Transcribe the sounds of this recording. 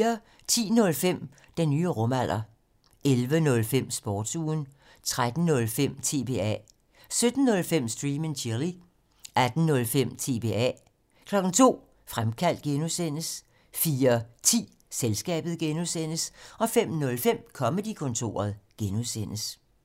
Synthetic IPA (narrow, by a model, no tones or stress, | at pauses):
ɐ | t͡sʰḭːnɔ̽lfem̰ | d̥enːyːəʁɔ̽mæl̰ɐ | elʋənɔ̽lfem̰sb̥ɒːd̥suːn | t͡sʰʁad̥n̩ːɔ̽lfem̰t͡sʰe̝̰ːb̥e̝ɛ̰ | sød̥n̩ːɔ̽lfem̰sd̥ʁiːment͡ɕʰiɐli | ʔæd̥n̩ːɔ̽lfem̰t͡sʰe̝be̝̰ːɛ̰ | kʰlɒ̽ɡ̥n̩t͡sʰo̝̰ː | fʁamkʰæl̰d̥̚ɡ̥enusen̰əs | fiːɐt͡sʰḭː | selsɡ̥ɛ̰ːb̥ð̩ˠɡ̥enusen̰əsɒ̽fem̰nɔ̽lfem̰kʰɒ̽məd̥ikʰɔ̽nt͡sʰo̝̰ːɐð̞̩ˠɡ̥enusen̰əs